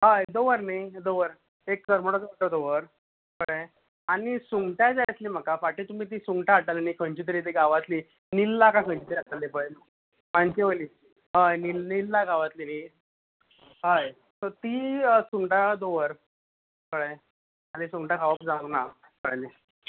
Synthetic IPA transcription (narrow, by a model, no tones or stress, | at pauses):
ɦajd̪oʋəɾnajd̪oʋəɾ | eksəɾməɽɔt͡sʈɔd̪oʋəɾ | kəɽe | añisuŋɡʈad͡zajət̪liːm̤əkafaʈit̪um̤iːt̪̬iːsuŋɡʈaɦaʈalanikʰəɳt͡ɕit̪̬əɾiːt̪̬iɡaʋat̪liː | nilːakãkʰəɳt͡ɕit̪əɾiɦaʈ̪alːepəɭl | maɳt͡ɕeʋəliː | ɦajnilnilːaɡaʋat̪liːni | ɦaj | t̪ət̪iːəsuŋɡʈad̪oʋəɾ | kəɽẽ | anisuŋɡʈakʰaʋəpd͡zãɡna | kəɽəli